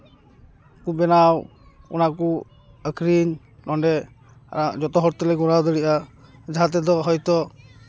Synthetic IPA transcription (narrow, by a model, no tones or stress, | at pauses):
kubɛnaw | ṵnaku | əkʰɾiɲ | nɔɳɖɛ | a̰ɾad͡ʒɔt̪ɔɦɔɾt̪ɛlɛɡɔɾawd̪əɽiʔad͡ʒaɦat̪̬ɛd̪ɔɦɔjt̪ɔ